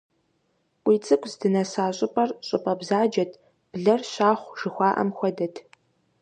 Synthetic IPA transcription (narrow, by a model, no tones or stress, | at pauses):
wʷiːt͡sʼɨkʷʰʼzdɨnɐsaːɕʼʊpʼɐrɕʼʊpʼɐbzaːd͡ʒɐtʰ | b̥ɮɐrɕaːχʷʒ̥ɨxʷɑːʔɐ̰mxʷɔdɐtʰ